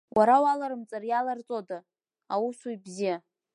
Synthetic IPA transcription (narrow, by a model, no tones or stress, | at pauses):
wʔaɾawalaɾɨmt͡sʼarjalart͡sʼoda | awusuibzija